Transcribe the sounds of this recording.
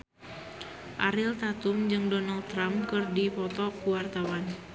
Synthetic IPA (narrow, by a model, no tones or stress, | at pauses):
ʔaɾɪlt̪at̪ʊmd͡ʒɨŋdɔnald̚t̪ːɾamkɨrdipɔt̪ɔkuwart̪awan